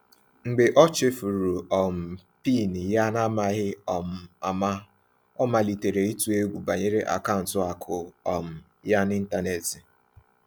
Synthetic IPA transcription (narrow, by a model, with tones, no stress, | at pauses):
ŋ͡m̩˨ɡ͡be˨ʔɔ˦t͡ʃɪ˦fu˨ɾu˨ɔ˨m̩˨ | pi˦˨ni˨ja˦na˦ma˦ɣɪ˦˨a˨ma˦ | ɔ˦ma˨li˨te˨ɾe˨i˦tu˨e˦ɡʷu˨ba˨ɲe˦ɾe˦ʔa̰˨ka˦˨n̩˨tʊ˨a˨kʰʊ˨ɔ˨m̩˨ | ja˦nɪ˦n̩˦ta˦ne˨tɪ˨